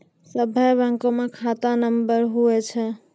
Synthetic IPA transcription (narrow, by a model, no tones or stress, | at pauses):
səbʱəjbəŋkomekʰat̪anəmbəɾɦuɛt͡ʃʰɛ